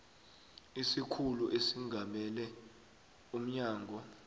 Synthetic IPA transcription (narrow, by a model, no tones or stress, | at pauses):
isikʰuluʔesiŋɡʱamɛlɛ | um̩ɲaːŋʱɔ